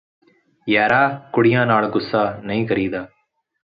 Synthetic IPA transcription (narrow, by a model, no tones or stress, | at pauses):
jaːɾaːkʊɽɪjãːnaːɭɡʊsːaːnəĩːkəɾiːd̪aː